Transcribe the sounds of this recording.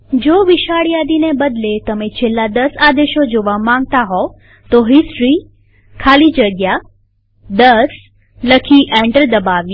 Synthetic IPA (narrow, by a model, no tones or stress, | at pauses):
d͡ʒoʋɪʃaɽjad̪inebəd̪let̪əmet͡ʃʰelːad̪əsad̪eʃod͡ʒoʋamãŋɡ̚t̪aɦo | t̪oɦɪsʈɾi | kʰalid͡ʒəɡja | d̪əs | ləkʰiʔɛ̃ɳʈəɾd̪əbaʋj